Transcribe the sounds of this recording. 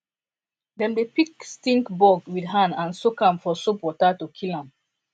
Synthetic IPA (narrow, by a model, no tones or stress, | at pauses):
dɛ̃ndepikstĩŋkbɔɡwidɦãnãnsokãmfɔsupɔtatukʰilãm